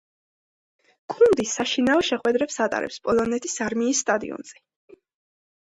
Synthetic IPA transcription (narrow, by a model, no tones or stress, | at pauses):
kʰʼund̪isaʃinaɔʃɛχwɛd̪ɾɛpsat̪ʼa̰ɾʔɛ̰pspʼɔlˠɔnɛt̪ʰisaɾmiːsːt̪ʼad̪ḭɔ̰nz̥ɛ